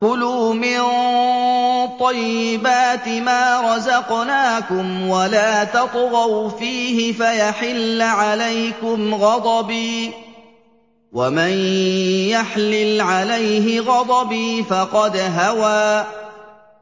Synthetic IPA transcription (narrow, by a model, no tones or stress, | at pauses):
kʊluːmɪn | t̪ˤɑjːɪbaːt̪ɪmaːɾˤɑzɑqnaːkʊmwalaːt̪ɑt̪ˤɣɑwfiːhɪfajaħɪlːʕalajkʊmɣɑd̪ˤɑbiː | wamanjaħlɪlʕalajɦɪɣɑd̪ˤɑbiːfɑqɑd̪ɦawaː